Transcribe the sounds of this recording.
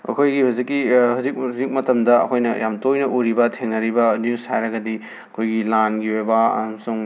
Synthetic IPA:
ɐ̰kʰojɡihuzikːihuzik̚huzik̚mɐtɐmdɐɐ̰kʰojnɐjamtojnɐʔuɾibɐtʰeŋnɐɾibɐnjushajɾɐɡɐdi | ɐkʰojɡilanɡiojbɐ̰mɐsuŋ

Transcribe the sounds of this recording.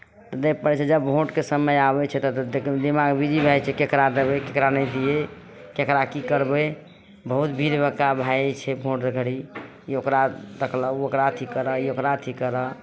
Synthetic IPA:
t̪ɔd̪ek̚pəɾɛt͡ʃʰɛd͡ʒəbbʱoʈkesəməjabɛt͡ʃʰɛt̪ɔd̪ekʰd̪imaɡbʱid͡ʒibʱajt͡ʃʰɛkekɾad̪ebɛkekɾanɛjd̪ije | kekɾakikəɾbɛ | bəɦut̪bʱiɾbəkabʱajt͡ʃʰɛbʱoʈd̪əkʰɽi | iokɾad̪əkʰləokɾat̪ʰikəɾəiokɾat̪ʰikəɾə

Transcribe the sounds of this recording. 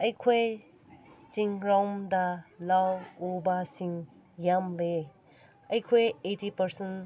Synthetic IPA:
ɐjkʰoj | t͡ʃiŋɾawmdalawobasiŋ | jamle | ɐjkʰojetipɐɾsen

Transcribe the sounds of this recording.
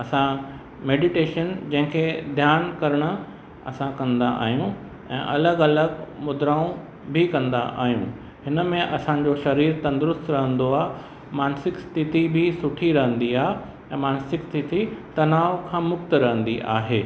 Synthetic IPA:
ɐsã | meːɖɪʈeːʃənd͡ʑɐ̃ɦɪ̃kʰed̪ʱjaːnkɐɾəɽ̃ʊ̆ | ɐ̰sãkɐ̃nd̪aʔa̰ːɦijũ | ɛ̰̃ːʔɐləɡɐləɡmʊd̪ɾaːũ | bʱɪkɐ̃nd̪a̰ʔa̰ːɦijũ | hɪnə̆mẽʔɐsãd͡ʑoʃɐɾiːɾt̪ɐ̃nd̪ɾʊst̪ɾɐɦə̃nd̪oaːɦe | maːnsɪkst̪ʰɪt̪ibʱɪsʊʈʰiɾɐɦə̃nd̪iaːɦe | ɛ̃ːmaːnsɪkst̪ʰɪt̪it̪ɐnaːʋkʰãːmʊk̚t̪ɾɐɦə̃nd̪iʔa̰ːɦeː

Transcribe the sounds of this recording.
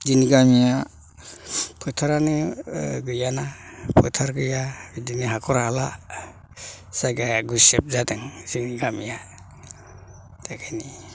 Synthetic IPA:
zinɡamija | pʰɯtʰaɾanɯɡɯjanapʰɯ̰tʰaɾɡɯjaidiniɦakʰɔɾahala | saɡaɡusɛp̚zadɯŋziniɡamija | dakʰani

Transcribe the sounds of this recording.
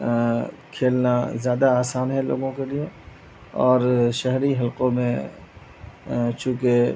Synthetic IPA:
kʰeːlnazjaːd̪aaːsaːnɦɛlo̰ːɡõkelie | ɔːɾʃɐɦɾiɦɐlqõmẽ | t͡ʃũːke

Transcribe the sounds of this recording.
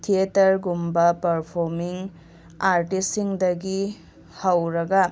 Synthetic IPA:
tʰietɐɾɡumbɐpɐɾpʰoɾmiŋ | aɾtisːiŋdɐɡi | hɐwɾɐɡɐ

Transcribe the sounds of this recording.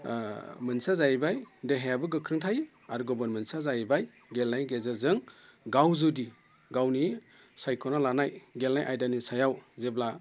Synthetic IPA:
mɯnsazajbajdeɦajabɯɡɯkʰɾɯŋtʰaj | aɾɡɔbɔnmɯnsazajbaj | ɡelnajɡezazɯŋ | ɡawzɯdi | ɡawni | sajkʰɔnalanajɡelnajʔajdanisajawzebla

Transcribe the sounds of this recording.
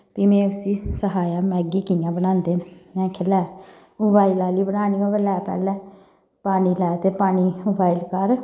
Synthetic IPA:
piːmẽːʊsiːsəɦaːjaːmɛːɡiːkijãːbənãːnd̪eːnmɛ̃ːkʰɪlɛː | ʊbaːilaːliːbənaːniːʋãːʋəlɛːpɛ̰ːlɛ̃ː | paːniːlɛːt̪eːpaːniːobʱaːilkəɾ

